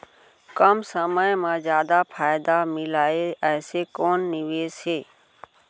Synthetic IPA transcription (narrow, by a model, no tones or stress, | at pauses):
kəmsəməjmãzjaːd̪apʰaːjd̪amɪlaːeɛːsekoːnːɪʋeːsɦeː